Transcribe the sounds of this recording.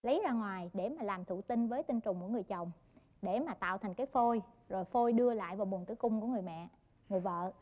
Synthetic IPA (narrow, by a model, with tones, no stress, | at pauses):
lə˨˦jzaː˧ŋwaː˨˩jɗe˧˩maː˨˩laː˨˩mt̪ʰṵ˧˨t̪ï˧nvəː˨˦jt̪ï˧ŋt͡ɕʊ˨˩ŋ͡mku˧˩əŋɨ˨˩əjt͡ɕə˨˩wŋ͡m | ɗe˧˩maː˨˩t̪a̰ː˧˨wt̪ʰa˨˩jŋ̟kaː˨˦jfo˧j | zo˨˩jfo˧jɗɨ˧əla̰ː˧˨jvaː˨˩wmu˨˩ənt̪ʰɨ˧˦kʊ˧ŋ͡mku˧˩əŋɨ˨˩əjmɛ̰˧˨ | ŋɨ˨˩əjvə̰ː˧˨